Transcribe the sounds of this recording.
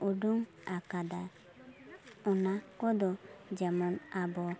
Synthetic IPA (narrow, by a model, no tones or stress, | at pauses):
uɖuŋ | akad̪a | ɔnakɔd̪ɔd͡ʒɛmɔnabɔ